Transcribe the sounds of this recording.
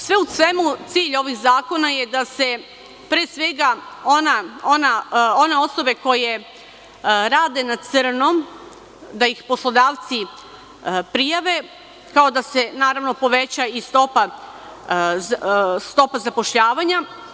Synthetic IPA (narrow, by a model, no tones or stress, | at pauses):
sʋe̞usʋe̞mut̪siːʎo̞ʋixzaːko̞najed̪ase̞ | pɾesʋe̞ɡaonaonao̞neo̞so̞be̞ko̞je | ɾaːd̪e̞nasr̩nom | d̪aixpo̞slˠo̞d̪aːʋt̪si | pɾijaʋe̞ | kao̞d̪ase̞naːɾaʋno̞po̞ʋe̞t͡ɕaist̪o̞pa | st̪o̞pazapo̞ʃʎaːʋaɲa